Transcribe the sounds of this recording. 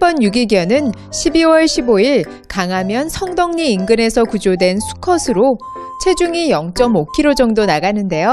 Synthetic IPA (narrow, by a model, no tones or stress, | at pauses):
pʌnjuɡiɡjʌnɯn | ɕʰibiwʌɭɕʰiboiɭ | kaŋɦamjʌnsʰʌŋdʌŋɲiːnɡɯne̞sʰʌkud͡ʑodwe̞nsʰu̥kʰʌsʰɯɾo | t͡ɕʰe̞d͡ʑuŋijʌŋt͡ɕ͈ʌmokʰiɾod͡ʑʌŋdonaɡanɯnde̞jo